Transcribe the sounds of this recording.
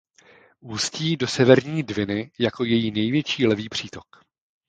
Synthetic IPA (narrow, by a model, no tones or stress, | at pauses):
ʔuːsciːdo̞sɛvɛɾɲiːdvɪnɪjako̞jɛjiːnɛjvjɛt͡ʃiːlɛviːpr̝̥iːt̪o̞k